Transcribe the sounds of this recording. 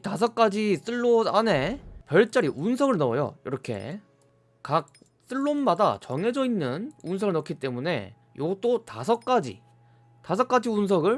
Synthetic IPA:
tas̬ʰʌk̚k͈ad͡ʑis͈ɯɭːoane̞pjʌɭt͡ɕ͈aɾiʔunsʰʌɡɯɭnʌʌjo̰iɾʌkʰe̞̰ | kak̚ | s͈ɯɭːonmada̰t͡ɕʌŋe̞d͡ʑʌinːɯnunsʰʌɡɯɭnʌkʰit͈e̞mune̞̰ | joɡ̚t͈otasʰʌk̚k͈ad͡ʑḭ | tasʰʌk͈ad͡ʑiuns̬ʰʌɡɯɭ

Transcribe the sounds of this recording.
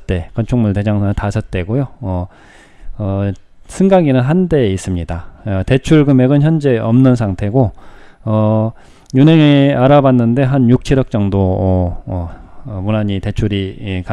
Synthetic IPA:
t͈e̞kʌnt͡ɕʰuŋmuɭte̞d͡ʑaŋsʰʌtasʰʌt̚t͈e̞ɡojoʌ | ʌ | sʰɯŋɡaɡinɯnɦande̞is͈ɯmɲidaʌte̞t͡ɕʰuɭɡɯme̞ɡɯnçjʌnd͡ʑe̞ʌmnɯns̬ʰaŋtʰe̞ɡoʌ | juneŋeaɾabanːɯnde̞ɦanjuk̚t͡ɕʰiɾʌk̚t͡ɕ͈ʌŋdoʌʌmunaɲite̞t͡ɕʰuɾika

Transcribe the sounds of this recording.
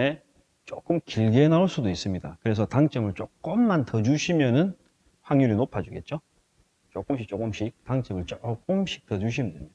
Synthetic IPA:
e | t͡ɕ͈ok͈ɯmkiɭɡeenauɭs͈udois͈ɯmɲidakɯɾe̞sʰʌtaŋt͡ɕ͈ʌmɯɭt͡ɕ͈ok̚k͈ɯmːantʌd͡ʑuɕʰimjʌnɯn | haŋjuɾinopʰad͡ʑuɡe̞t̚t͡ɕ͈o | t͡ɕok͈ɯmɕʰik̚t͡ɕ͈ok͈ɯmɕʰik̚taŋt͡ɕ͈emɯɭt͡ɕok͈̚ɯmɕ͈ʰi̥k̚t͈ʌd͡ʑuɕ̬ʰimem

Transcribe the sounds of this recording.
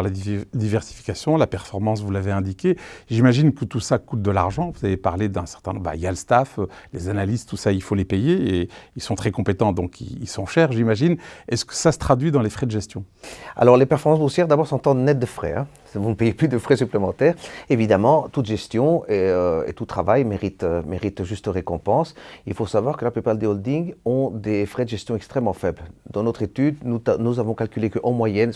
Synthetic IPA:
lad̪ivɛʁsi̥fi̥kʲasjɔ̃lapɛʁfɔʁmɑ̃svulaveɛ̃d̪ikʲeʒimaʒinkət̪usakut̪̚d̪əla̰ʁʒɑ̃vuz̥avepaʁled̪ɛ̃sɛʁt̪ɛ̃nɔ̃ba̰jaləst̪afølezanalizt̪usailfolepejeeilsɔ̃t̪χɛkɔ̃pet̪ɑ̃d̪ɔ̃kʰḭilsɔ̃ʃɛʁʒimaʒinɛskə̥sasə̥t̪χad̪ɥid̪ɑ̃lefχɛd̪əʒɛst̪jɔ̃a̰lɔʁlepɛʁfɔʁmɑ̃s̬busjɛʁd̪abɔʁsɔ̃t̪ɑ̃d̪ənɛt̪̚d̪əfχɛ̰ɛ̰̃ | vunəpejeplyd̪əfχɛsyplemɑ̃t̪ɛːʁevid̪amɑ̃t̪ut̪ʒɛst̪jɔ̃eøḛt̪ut̪χavajmeʁit̪ømeʁit̪ʒyst̪əʁekɔ̃pɑ̃silfosavwaʁkəlaplypaʁd̪eɔld̪iŋɡɔ̃d̪efχɛd̪əʒɛst̪jɔ̃ɛkst̪χɛmːɑ̃fɛbld̪ɑ̃nɔt̪χet̪yd̪unuzavɔ̃kalkʲylekəʔɑ̃mwajɛn

